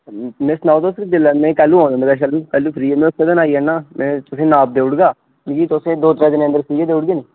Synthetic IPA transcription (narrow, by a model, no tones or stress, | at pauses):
mɪsnaːt̪ʊskd̪ɪləmẽːkɛːlːuːɦãːnd̪ɪnd̪ɡaːʃəlkɛːlːuːpʰɾiːemẽːʊseːd̪ənaːiːɛːnaːmɛ̃ːt̪ʊsẽːnaːp̚d̪eːʊɽɡaː | ikiːt̪ʊsẽːd̪oːt̪əɾɛ̃ːd̪ɪnə̃nd̪əɾsiːɡeːd̪eːʊɽɡeːneː